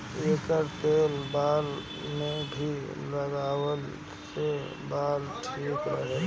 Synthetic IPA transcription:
eːkəɾt̪eːlbaːl | mẽbʱi | ləɡaːwəl | se | baːlʈʰiːkɾə̰ɦe

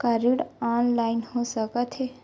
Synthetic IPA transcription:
kaɾiɽanlainhosəkət̪ɦe

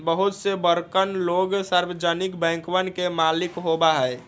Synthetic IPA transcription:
bəɦʊt̪sebəɾkənloːɡsaɾwəd͡ʒanɪkbɛ̃ːŋkʋənkemaːlɪkɦobaɦɛe

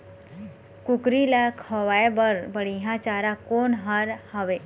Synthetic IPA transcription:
kukɾilakʰɔʋaebəɾbəɽiɦãt͡ʃaɾakonɦaɾhəʋe

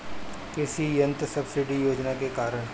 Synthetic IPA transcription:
kɪsijɐ̃nt̪sɐbsɪɖijoːd͡ʒnakekaːɾəɽ̃

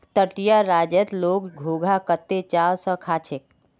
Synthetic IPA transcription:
t̪əʈijaɾad͡ʒət̪loɡɡʱoɡʱakət̪ːet͡ʃawsə̃kʰaːt͡ʃʰek̚

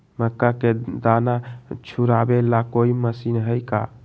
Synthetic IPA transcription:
məkːaked̪anat͡ʃʰuɾabelakoiməsinɦəjka

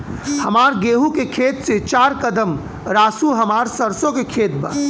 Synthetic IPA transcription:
hɐmaːɾɡeːɦukekʰeːt̪set͡ʃaːɾkəd̪əm | ɾaːsuɦɐmaːɾsɐɾsõkekʰeːt̪̚ba̰

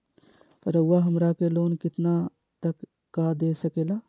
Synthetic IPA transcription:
ɾəwaɦəmɾakeloːnkɪt̪na | t̪əkː | ad̪esəkeːla

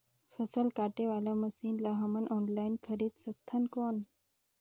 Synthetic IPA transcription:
fəsəlkaʈeʋalaməsiːnlaɦəmənʔɔnlainkʰəɾiːd̪sət̪ʰːənkoːn

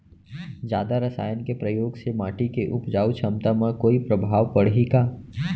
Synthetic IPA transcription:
d͡ʒjaːd̪aɾəsa̰ːjənkepɾəjoːɡsemaːʈikeʔʊpd͡ʒaːut͡ʃʰɐmt̪amə̃koːipɾəbʱaːʋpəɽɦeːɡaː

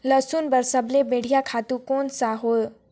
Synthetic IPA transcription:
ləsunbəɾsəblebeɽ̤ijakʰat̪ukonsaɦol

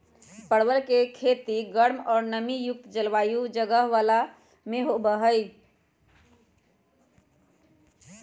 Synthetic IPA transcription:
pəɽʋəɾkekʰet̪iɡəɽmɔːɾnəmijuk̚t̪d͡ʒəlʋajud͡ʒəɡəɦʋala | meɦobəɦəɪ

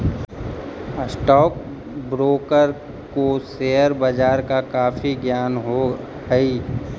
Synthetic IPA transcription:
sʈɔːk̚ | bɾoːkəɾ | koseːjəɾbəd͡ʒaːɾkakaːfʰiɡjaːnɦo | ɡəi

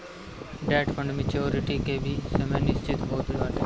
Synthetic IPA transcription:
ɖɛːʈfə̃ɳɖmet͡ʃoːɾɪʈikebʱisɐmenɪst͡ʃɪt̪ɦoːt̪ʋaːleː

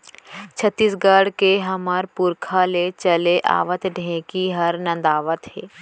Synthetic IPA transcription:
t͡ʃʰət̪ːiːsɡəɽkeɦɐmaɾpʊɾkʰalet͡ʃəleʔa̰ːʋət̪ɖʱẽkiɦɐɾnɐ̃nd̪aːʋət̪ɦɛː

